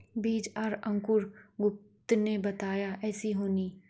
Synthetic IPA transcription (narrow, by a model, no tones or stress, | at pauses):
biːd͡ʒaɾɐ̃ŋkʊɾɡʊp̚t̪nebɐt̪aːjaʔɛːsiɦoːniː